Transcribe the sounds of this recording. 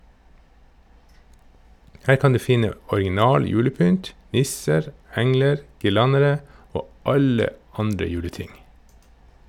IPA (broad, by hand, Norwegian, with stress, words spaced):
ˈhæːɾ ˈkɑn ˈdʉː ˈfɪnə ɔɾɡɪˈnɑːl ˈjʉːləˌpʏnt ˈnɪsəɾ ˈɛŋləɾ ɡɪˈlɑnəɾə ˈoː ˈɑlə ˈɑndɾə ˈjʉːləˌtɪŋ